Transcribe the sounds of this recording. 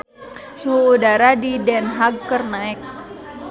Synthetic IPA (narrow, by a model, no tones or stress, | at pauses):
suɦuːdaɾadidɛnɦaɡ̚ːərnaɛk̚